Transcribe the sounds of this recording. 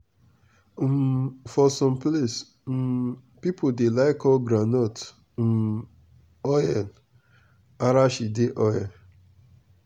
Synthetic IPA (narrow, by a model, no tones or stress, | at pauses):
fɔsɔ̃mples | m̩ | pipʰodelaɪkɔɡɾanɔt̩ | ɔjɛn | aɾaʃideʔɔjɛ